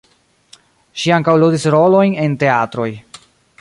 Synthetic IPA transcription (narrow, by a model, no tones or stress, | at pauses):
ʃiaŋkawludisɾo̞lo̞jne̞nte̞atɾo̞j